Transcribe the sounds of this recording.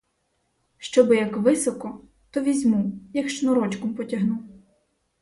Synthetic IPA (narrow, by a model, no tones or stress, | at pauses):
ʃt͡ʃɔbɪjɐkʋɪsɔkɔ | t̪ɔʋʲizʲmujɐkʃt͡ʃnɔɾɔt͡ʃkɔmpɔtʲɐɦnuw